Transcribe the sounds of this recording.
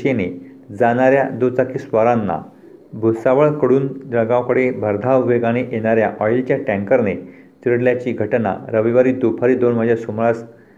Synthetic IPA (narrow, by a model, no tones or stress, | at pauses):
ɕene | d͡zañaɾjad̪ot͡sakiːsʋəɾanːa̰ | bʱusaʋəɭkəɽuːnd͡ʑəɡãwkəɽebʱəɾd̪ʱaʋʋeɡaneʔeɽ̃aɾjaʔɔjlt͡ɕjaʈɛ̃ŋkəɾne | tiɽljat͡ɕiːɡʱəʈna̰ɾəʋiʋaɾiːd̪upʰaɾiːd̪onməd͡ʑʱjasumɭas